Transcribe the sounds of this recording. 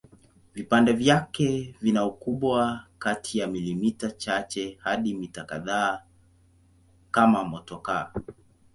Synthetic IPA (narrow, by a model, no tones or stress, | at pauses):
vipandɛvjakɛvinaukuɓwakatʰijamilimitat͡ʃat͡ʃɛhaɗimitakaðaː | kamamɔtɔka